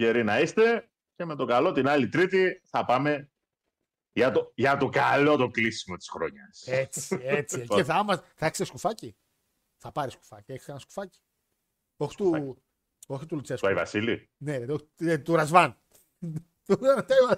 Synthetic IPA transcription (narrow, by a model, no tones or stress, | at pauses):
ʝeɾinɐist̪e̞ | ce̞me̞t̪o̞kalo̞t̪inɐlit̪ɾit̪iθɐpɐme̞ | ʝɐt̪oʝɐt̪o̞kalo̞t̪oklisimo̞t̪i̥sxɾo̰ɲɐset͡si̥et͡sieiθɐmɐsθɐeçst̪eskufɐci | θɐpɐɾisku̥fɐcieçsenɐsku̥fɐci̥ | oçi̥t̪u | oçit̪ulut͡sesɐivɐ̰silḭ | neot̪uɾɐzvɐn | t̪uɾt̪eivɐ